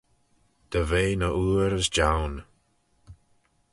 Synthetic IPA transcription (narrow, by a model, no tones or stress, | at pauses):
d̪̥əveːnəʔuːɾəsd͡ʒawn